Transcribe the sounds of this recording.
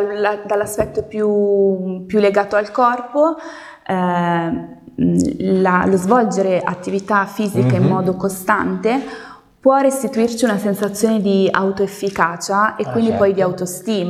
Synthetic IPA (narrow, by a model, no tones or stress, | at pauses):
d̪alːaspɛt̪ːopju | pjulːeɡaːt̪oalkɔrpo | lalozvɔld͡ʒeɾeʔa̰t̪ːivit̪afːiːzikaimːɔːd̪okost̪ant̪e | pwɔrːest̪it̪uirt͡ʃiunasensat̪sːjoːned̪ia̰wt̪oefːikaːt͡ʃaekwind̪ipɔjd̪iawt̪ost̪iːm